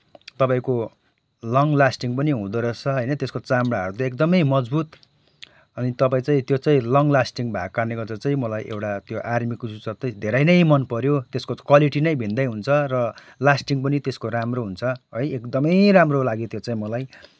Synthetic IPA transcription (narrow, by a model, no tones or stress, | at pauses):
t̪ʌpaĩko | lʌŋlasʈiŋpʌniɦũd̪ʌɾʌt͡sʰʌɦʌjnʌt̪eskot͡samɽaʌɾut̪ʌek̚d̪ʌmʌjmʌd͡zbut̪ | ʌnit̪ʌpaĩt͡saĩt̪jot͡sãĩlʌŋlasʈiŋbʱaɡ̚karneɡʌrt͡sʌt͡sãĩmʌlajʔḛwʈat̪joʔarmikusut͡sʌt̪ʌid̪ʱeɾʌjnʌjmʌnpʌɾjot̪eskokwaliʈinʌjbʱind̪ʌjɦunt͡sʰʌrʌ | lasʈiŋpʌnit̪eskoɾamroɦunt͡sʰʌɦʌjekd̪ʌmʌjramrolaɡit̪jot͡saĩmʌlaj